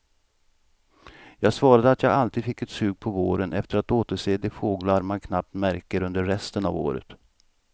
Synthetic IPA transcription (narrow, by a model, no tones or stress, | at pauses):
jɑːɡsvɑːɾad̪əat̪jɑːɡalt̪iːd̪fɪkːɛt̪sʉ̟ːɡ̚pʰɔvoːɾənʔɛ̰ft̪əɾat̪oːt̪əʂeːd̪ɪfoːɡlaɾmankʰnap̚t̪mæɾkəɾɵnd̪əːɛst̪əna̰vo̰ːɾə̰t̪